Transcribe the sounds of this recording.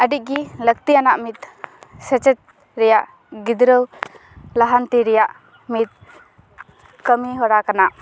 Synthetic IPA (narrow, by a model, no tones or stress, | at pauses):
əɖic̚ɡiləɡ̚t̪ijanaʔmit̪sɛt͡ʃɛt̪̚ | ɾɛjaʔ | ɡid̪ɾəw | laɦant̪iɾɛjaʔ | mit̪̚ | kəmiɦɔɽakanaʔ